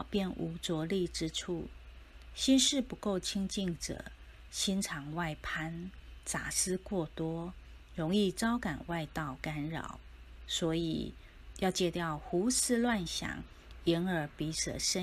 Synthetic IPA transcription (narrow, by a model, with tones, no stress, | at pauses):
pjɛ˥˩nʔu˧˥t͡swɔ˧˥li˥˨ʈ͡ʂɻ̩˥ʈ͡ʂʰu˥˩ | ɕi˥nʂɻ̩˥˩pu˧˦ko˥˩ʊt͡ɕʰi˥ŋt͡ɕi˥˩ŋʈ͡ʂə̰˨˩ | ɕi˥nʈ͡ʂʰɑ˧˥ŋwa˥˩ɪpʰa˥nt͡sa̰˨˩sɹ̩˥kwɔ˥˩t̪wɔ˥ | ɻʊ˧˥ŋi˥˩t͡sɑ˥ʊka˨˩nwa˥˧ɪt̪ɑ˥˩ʊka˥nɻɑ̰˨˩˦ʊ | swɔ˧˥ḭ˨˩ | jɑ˥˧ʊt͡ɕjɛ˥˧t̪jɑ˥˩ʊxu˧˥sɹ̩˥˧lwa˥˩nɕjɑ̰˨˩˦ŋ | i˧˥nə˞˧˥pi˧˥sə̰˨˩ʂə˥